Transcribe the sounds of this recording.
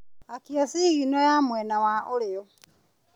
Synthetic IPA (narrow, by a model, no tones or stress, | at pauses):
akiasiɣinojamwenawaʔolɪɔ